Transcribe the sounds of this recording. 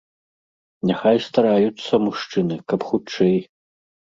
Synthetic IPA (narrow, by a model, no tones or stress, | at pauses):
nʲaxajst̪aɾajut̪sːɐmuʂt͡ʂɨnɨkɐpxut͡ʂɛj